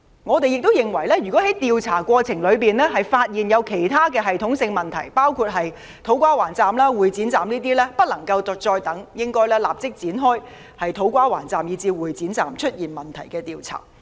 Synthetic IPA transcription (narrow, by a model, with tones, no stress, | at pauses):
ŋɔː˨˧t̪e˨jɪ˨k̚t̪o˥wjɪ˨ŋwɐ˨˩jlɛː˥jy˨˩kɔː˨˥ɦɐ˨˥jt̪iː˨wt͡sʰaː˨˩kʷɔː˧t͡sʰɪ˨˩ŋlɵ˨˧ɥpiː˨nlɛː˥ɦɐ˨jfaː˧t̚jiː˨njɐ˨˧wkʰe˨˩jt̪ʰaː˥kɛː˧ɦɐ˨jt̪ʰʊ˨˥ŋsɪ˧ŋmɐ˨nt̪ʰɐ˨˩jpaː˥wkʰuː˧t̚ɦɐ˨j | t̪ʰo˨˥wkʷaː˥waː˨˩nt͡saː˨mlaː˥wuː˨jt͡siː˨˥nt͡saː˨mniː˥t̪iː˥lɛː˥pɐ˥t̚lɐ˨˩ŋkɐ˧wt̪ɔ˨k̚t͡ʃɔː˧jt̪ɐ˨˥ŋjɪ˥ŋkɔː˥jlɛː˥laː˨p̚t͡sɪ˥k̚t͡siː˨˥nɦɔː˥j | hɐ˨jt̪ʰo˨˥wkʷaː˥waː˨˩nt͡saː˨mjiː˨˧t͡siː˧wuː˨˩jt͡siː˨˥nt͡sa̰ː˨mt͡ʃʰɵ˥t̚jiː˨nmɐ˨nt̪ʰɐ˨˩jkɛː˧t̪iː˨wt͡sʰa̰ː˨˩